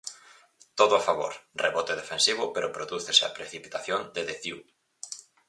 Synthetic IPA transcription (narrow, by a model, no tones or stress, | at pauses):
t̪oðʊafaβo̰ɾreβot̪eðefensiβ̞ʊpeɾopɾoðuθesea̰pɾeθipit̪aθjond̪eðeθiw